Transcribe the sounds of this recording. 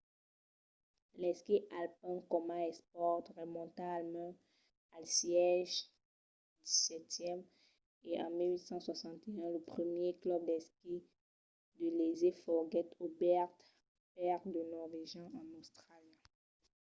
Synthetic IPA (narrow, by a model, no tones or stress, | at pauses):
lɛskiʔalpɛ̃kɔmaɛspɔʁt̪ʁəmɔ̃t̪ãalmɛ̃ | alsjɛʒ | d̪isɛt̪jɛm | eʔɑ̰̃milɥit̪sɑ̃swasɑ̃t̪eɛ̃ləpχəmjeklœb̚d̪ɛski | d̪əlezefɔʁɡɛt̪obɛʁt̪ | pɛʁt̪d̪ənɔʁveʒjɑ̃ʔɑ̃nost̪χalj